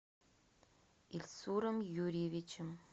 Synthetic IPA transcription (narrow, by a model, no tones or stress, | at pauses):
ilʲsuɾə̆mjuɾʲivʲit͡ɕɪm